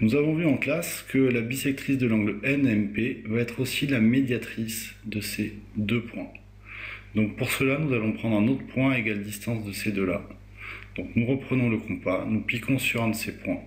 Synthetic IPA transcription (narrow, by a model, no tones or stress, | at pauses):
nuzavɔ̃vyɑ̃klaskʰəlabisɛk̚t̪χisd̪əlɑ̃ɡləɛnɛmpevaɛt̪χosilamed̪jat̪χisd̪əsed̪øpwɛ̃ | d̪ɔ̃k̚puʁsəlanuzalɔ̃pχɑ̃d̪ʁɛ̃not̪χəpwɛ̃aeɡald̪ist̪ɑ̃sd̪əsed̪øla | d̪̥ɔ̃knuʁəpχənɔ̃ləkɔ̃panuplikʰɔ̃syʁɛ̃d̪əsepwɛ̃